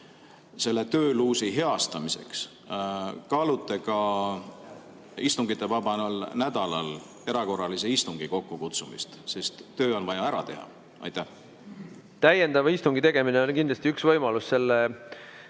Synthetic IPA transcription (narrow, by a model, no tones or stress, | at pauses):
se̞lːe̞t̪ø̞ːluːsiɦe̞ɑst̪ɑmise̞̰ks | kɑlut̪ːˑekɑ | ist̪uŋɡit̪ːˑe̞vɑb̥ɑnolnæd̪̥ɑlɑ̰l | e̞ɾɑko̞rːɑliseist̪uŋɡ̥iko̞kːukut̪sumḭst̪se̞st̪ːøːo̞nvɑjɑæɾɑ̰t̪e̞̰hɑ̰ | ɑ̰jt̪æh | t̪æje̞nd̪ɑvɑist̪uŋɡ̥it̪e̞ɡ̥e̞mineonkind̪lɑst̪iyksvɤjmɑlusse̞lːe